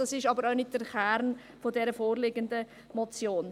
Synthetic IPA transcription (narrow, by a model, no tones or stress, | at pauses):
ɑsɪʃɑbəɾaʊnɪt̚d̥ərχɛrn | fodɛɾəfoːɾlɪɡəndə | mɔt͡sjoːn